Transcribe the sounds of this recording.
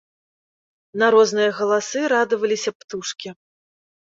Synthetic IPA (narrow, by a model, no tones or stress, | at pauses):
naɾɔznɨjɐɣɐlˠasɨɾad̪ɨvɐlʲisʲɐpt̪uʂkʲi